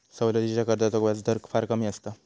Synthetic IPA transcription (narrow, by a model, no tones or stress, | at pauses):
səwləd̪it͡ɕakəɾd̪at̪okʋjat͡sd̪əɾkfaɾkəmiːəst̪a